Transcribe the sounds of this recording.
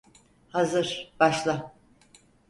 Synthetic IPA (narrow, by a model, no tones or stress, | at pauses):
hazɯɾ̥b̥aʃlˠa